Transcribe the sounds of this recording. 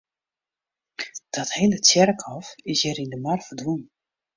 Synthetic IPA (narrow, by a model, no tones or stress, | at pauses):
d̥ɔthendəsjɛrkʰɔfɪsjɛɾindəmarfədwun